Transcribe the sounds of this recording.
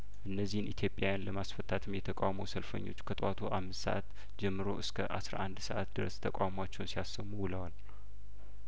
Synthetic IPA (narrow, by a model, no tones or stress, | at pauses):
ʔɨnːəzːihɨnʔit̪ʰjo̞pʼjawjanləmasfət̪ʰːat̪ʰɨmjɛt̪ʰəkʼawməwsəlfə̰ɲːo̞̰t͡ʃːkʰət̪ʼwat̪ʰuʔamːɨst̪sə̰ʔa̰t̪ | d͡ʒɛmːɨɾo̞ʔɨskʰəʔasɾʔand̪səʔat̪d̪ɨɾə̰st̪ʰəkʼa̰wmat͡ʃːɛwnsijasəmubɨləwal